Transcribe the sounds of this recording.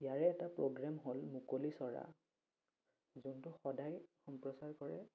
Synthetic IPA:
ijaɹɛːtapɹoɡɹamɦolmukolisɔɹa̰ | zuntʊxɔdajxɔmpɹɔsaɹkɔɹɛ̰

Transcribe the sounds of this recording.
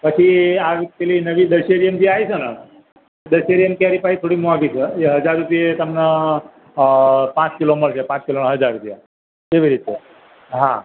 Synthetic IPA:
kəkiaʋit̪elinəʋiːd̪əɕeɾijəmd͡ʑiajt͡sʰəna | d̪əɕeɾijəmkiaɾipait̪ʰoɽiːmoaɡit͡sʰəeɦəd͡zaɾːupijet̪əmnə | pãt͡skiloməɭsepãt͡skiləɳɦəd͡zaɾːupija | eʋiɾit̪e | ɦã̰

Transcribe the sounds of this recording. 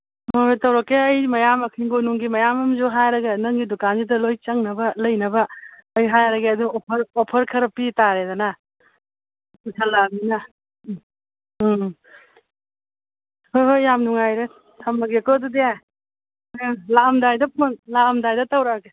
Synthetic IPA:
motɐwɾɐkːeɐjmɐjamɐkʰiŋɡonuŋɡimɐjamɐmzuɦajɾɐɡɐnɐŋɡidukanzidɐlojt͡ʃɐŋnɐbɐlɐjnɐbɐːjɦajɾɐɡeɐduɔpʰɐɾɔpʰɐɾkʰɐɾɐpitaɾedanɐ | pusʰɐlaminɐ | hojɦojːamnuŋajɾe | tʰɐmːɐɡiɐkoɐdudeaj | laɐmdajdɐpunlaɐmdajdɐtɐwɾɐke

